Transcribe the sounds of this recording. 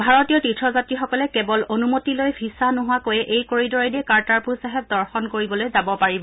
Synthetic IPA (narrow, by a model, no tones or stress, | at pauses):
bʱaɹɔtijɔtitʰɹɔzatɹixɔkɔlɛkɛbɔlonumotilojbʰʱisanɔɦʊwakojɛʔejkoɹidɔɹadiɛkaɹtaɹpuɹsaɦɛp̚dɔɹxɔnkoɹibɔlojzabɔpaɹibɔ